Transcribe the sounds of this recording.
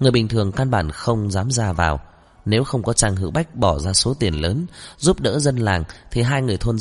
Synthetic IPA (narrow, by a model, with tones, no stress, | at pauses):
ŋɨ˨˩jɓï˨˩ŋ̟t̪ʰɨ˨˩əŋkaː˧nɓa̰ː˧˩nxə˧wŋ͡mzaː˨˦mzaː˧va̰ː˨˩w | ne˨˦wxə˧wŋ͡mkɔ˨˦t͡ɕaː˧ŋhɨ̰˧˥wɓa˦˥jk̟̚ɓɔ˧˩zaː˧so˨˦t̪i˨˩ənləː˨˦nzu˦˥p̚ɗə̰ː˧˥zə˧nlaː˨˩ŋt̪ʰi˨˩ɦaː˧jŋɨ˨˩əjt̪ʰo˧n